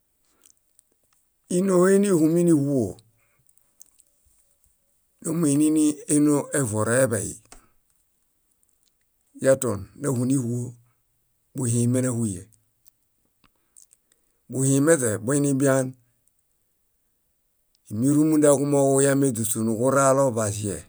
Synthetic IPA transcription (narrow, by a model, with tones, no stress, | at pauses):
i˦no˦we˦ni˦hu˨mi˦ni˦hu˦o˨ | do˦mu˦i˨ni˦ni˦e˦no˦ʔe˦vo˨ɾa˨e˦ba˨jḭ˨ | ja˦to˨nna˦hu˨ni˦hu˦o˦ | bu˨hi˨me˦na˦hu˦jḛ˨ | bu˨hi˨me˦te˨bo˦i˦ni˦bi˦a˦n | i˨mi˦ɾu˦mu˦nda˦ku˦mo˦ku˦ja˦me˦du˨su˨nu˨ku˦ɾa˦lo˦ba˨si˦ḛ˨